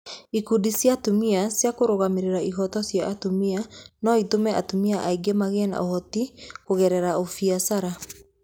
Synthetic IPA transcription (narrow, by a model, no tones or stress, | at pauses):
ikudisjatumiasjakoɾoɣameɾeɾaiɣɔtɔsjaʔːtumianɔitomɛʔa̰tumiaʔaiɡemaɣena̰ʔohɔtikoɣɛɾɛɾaofiasaɾa